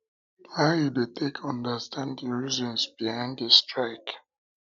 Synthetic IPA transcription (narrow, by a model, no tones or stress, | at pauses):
waidetekʰɔ̃ndəstʰãndəɹizɔ̃nsbiãɪ̃ndestʰɹaɪk